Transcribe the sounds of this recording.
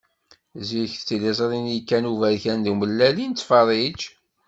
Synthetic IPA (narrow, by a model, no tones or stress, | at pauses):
ziçθt͡sːilezˤɾˤinikːænuvæðçænðuməlːælint͡s̪ːfɑɾˤid͡ʒ